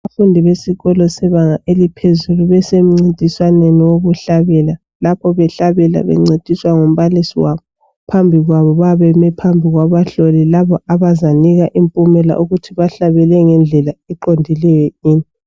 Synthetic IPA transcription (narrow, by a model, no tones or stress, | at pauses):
aβafundʱiβesiɣɔlɔsɛβaŋaʔelipʰezuluβɛsem̩ŋ͡ǀintʼiswaneniwoβuɬaβɛla | lapʰɔβɛɬaβɛla̰βɛ̰ŋ͡ǀetʼiswaŋom̩βalisiwaβɔ | pʰambʱiɣwaβɔβaβɛmɛpʰambʱiɣwaβaɬolilaβɔʔaβazaniɣaʔimpʼumɛla̰ʔuɣutʰiβaɬaβɛlɛŋɛnd͡ɮʱɛlaɛǃondʱilɛjɛiːni